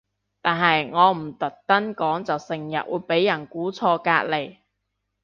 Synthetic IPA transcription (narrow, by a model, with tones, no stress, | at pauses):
t̪aː˨˩nɦɐ˨jŋɔː˨˧m̩˨˩t̪ɐ˨˩t̚t̪ɐ˥nkɔː˨˥ŋt͡sɐ˨wsɪ˨˩ŋjɐ̰˨t̚wuː˨˧jpe˨˥jːɐ˨˩nkuː˨˥t͡sʰɔː˧ka̰ː˧k̚le˨˩j